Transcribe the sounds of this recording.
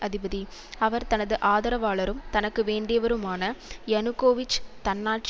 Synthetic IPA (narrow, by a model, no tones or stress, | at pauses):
ʔɐðɪbɐðiɐʋɐɾt̪ɐnɐðɯʔaːðɐɾɐʋaːɭɐɾɯmt̪ɐnɐkːɯʋeːɳɖɪjɐʋɐɾɯmaːnɐjɛnɯkːoːʋɪt͡ʃːt̪ɐnːaːʈ̚t͡ʃ